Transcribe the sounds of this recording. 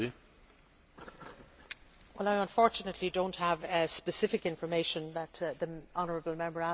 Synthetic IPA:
wɛlaɪə̃ɱfɔɹt͡ʃənətʰlidõʊ̃nthəvspəsɪfɪkɪ̃ɱfə˞meɪʃə̃nðət̪ðiɑnə˞əbəl̩ˠmɛ̃mbə˞a

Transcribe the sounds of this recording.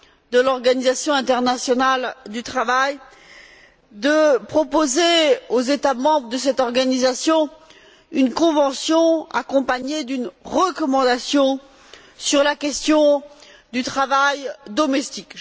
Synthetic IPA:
d̪əlɔʁɡanizasjɔ̃ɛ̃t̪ɛʁnasjɔnald̪yt̪χavaj | d̪əpχɔpozeozet̪amɑ̃bʁəd̪əsɛt̪ɔʁɡanizasjɔ̃ | ynkɔ̃vɑ̃sjɔ̃a̰kɔ̃paɲed̪ynʁəkɔmɑ̃d̪asjɔ̃ | syʁlakʲɛst̪jɔ̃ | d̪yt̪χavajd̪ɔmɛst̪ik

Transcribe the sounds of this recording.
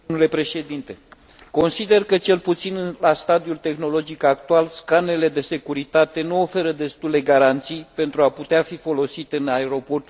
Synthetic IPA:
mule̞pɾe̞ʃe̞d̪int̪e̞ | ko̞nsid̪e̞rkət͡ʃe̞lput̪sinɨnlast̪ad̪iult̪e̞xno̞lo̞d͡ʒikak̚t̪ualskane̞le̞d̪e̞se̞kuɾit̪at̪e̞nuo̞fe̞ɾəd̪e̞st̪ule̞ɡaɾant̪sijpe̞nt̪ɾuaput̪eafifo̞lo̞sit̪eɨnae̞ɾo̞po̞rt̪

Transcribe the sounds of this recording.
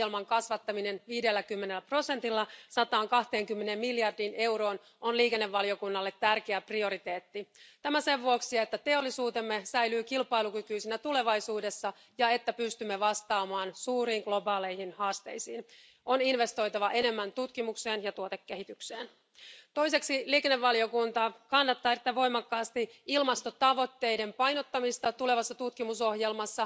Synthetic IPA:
elmɑŋkɑsʋɑt̪ːɑmine̞nʋiːdelːækymːe̞nelːæpro̞se̞nt̪ilːɑsɑt̪ɑːŋkɑht̪e̞ːŋkymːene̞mːiljɑrdiːne̞wɾo̞ːn | o̞nliːke̞nːe̞ʋːɑlio̞kunːɑlːe̞t̪ːærk̟eæprio̞ɾit̪e̞ːt̪ːit̪æmæse̞ʋːuoksiet̪ːæt̪e̞olːisuːt̪e̞mːe̞sæjlyːkilpɑjlukykyːsinæt̪ule̞ʋɑjsuːde̞sːɑ | jɑe̞t̪ːæpyst̪ymːeʋɑst̪ɑːmɑːnsuːriːŋɡ̥lo̞bɑːle̞jhinhɑːst̪e̞̰jsiːn | ʔo̞ninʋe̞st̪o̞jt̪ɑʋɑʔe̞ne̞mːænt̪ut̪kimukse̞ːnjɑt̪uot̪ekːe̞hit̪ykse̞̰ːn | t̪o̞jse̞ksiliːkeneʋːɑlio̞kunt̪ɑkɑnːɑt̪ːɑːet̪ːæʋo̞jmɑkːɑːst̪iilmɑst̪o̞t̪ɑʋo̞t̪ːe̞jde̞mpɑjno̞t̪ːɑmist̪ɑt̪ule̞ʋɑsːɑt̪ut̪kimuso̞hje̞lmɑsːɑ

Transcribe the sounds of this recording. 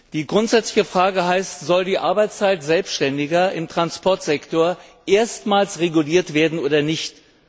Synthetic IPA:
d̥iːɡʁʊntz̥ɛt͡slɪçəfʁ̥aːɡəɦaɪstz̥ɔldiːʔaɐbaɪt͡st͡saɪtz̥ɛlpstʃtɛndɪɡɐɪmtʁ̥anspʰɔɐtz̥ɛktʰoːɐʔeːɐstmaːlsʁeɡuliːɐtv̥eːɐdn̩ʔoːdɐnɪçt

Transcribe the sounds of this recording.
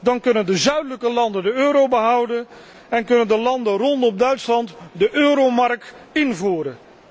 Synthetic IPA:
dɑnkɵnəndəzœɥdələkəlɑndəndəøːɾowbəɦʌwdən | ɛnkɵnəndəlɑndərɔntɔmdœɥtslɑntdəʔøːɾomɑrk̚tɪnvuːɾən

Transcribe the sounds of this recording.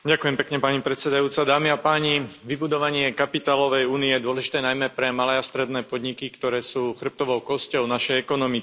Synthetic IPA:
ɟakujɛmpɛkɲɛpaɲipɾɛt̪sɛd̪ajuːt͡sad̪aːmiapaːɲiʋibud̪ɔʋaɲɪɛkapit̪aːlɔʋɛjuːniɛjɛd̪ʊɔlɛʒi̥t̪ɛːnajmɛpɾɛmalɛːast̪ɾɛd̪nɛːpɔd̪ɲikikt̪ɔɾɛːsuːxr̩p̚t̪ɔʋɔʊkɔscɔʊnaʃɛjɛkɔnɔmi

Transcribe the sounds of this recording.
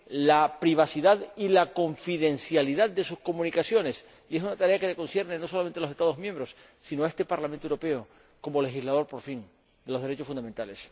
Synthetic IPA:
lapɾiβ̞asiðaðilako̞ɱfiðẽ̞nsjaliðaðd̪e̞susko̞mũnikasjo̞ne̞s | ie̞s̬unat̪aɾe̞akeeko̞nsje̞ɾnenoso̞lamenalose̞st̪aðoɦmjembɾo̞s | sinoaest̪e̞paɾlament̪oewuɾope̞o | ko̞mo̞le̞xizlað̞o̞ɾpo̞ɾfiŋ | d̪e̞lo̞zðeɾe̞t͡ʃo̞sfund̪ament̪ale̞s

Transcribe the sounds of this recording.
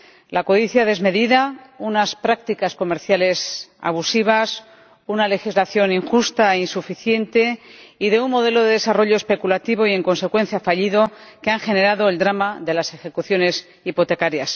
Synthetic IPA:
lako̞ðiθjaðe̞zme̞ðiðaunaspɾak̚t̪ikasko̞me̞ɾθjale̞sa̰β̞usiβ̞as | unale̞xizlaθjo̞niŋxust̪aeinsufiθje̞nt̪e̞iðe̞unmo̞ð̞e̞lo̞ðe̞ðe̞saro̞ʎo̞espe̞kulat̪iβo̞ie̞ŋko̞nse̞kwe̞nθjafaʎiðo̞keaŋxe̞ne̞ɾaðo̞e̞ld̪ɾamaðe̞lase̞xe̞kuθjo̞ne̞s | ipo̞t̪e̞kaɾjas

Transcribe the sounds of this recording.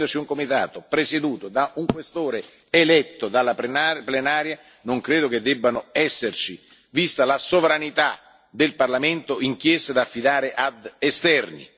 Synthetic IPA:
d̪ot͡ʃiuŋkomit̪a̰ːt̪opɾesed̪uːt̪od̪aʔuŋkwest̪oːɾe | elɛt̪ːod̪alːapnplenaːɾja | noŋkɾeːd̪oked̪ːɛbːanʊɛsːert͡ʃi | vist̪alasovɾanit̪a | d̪elparlament̪oiŋkjɛst̪ad̪afːid̪aːɾɪʔad̪est̪ɛrnḭ

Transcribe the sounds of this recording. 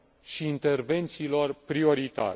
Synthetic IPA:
ʃiːnt̪e̞rve̞nt̪siːlo̞rpɾio̞ɾit̪a̰ɾe

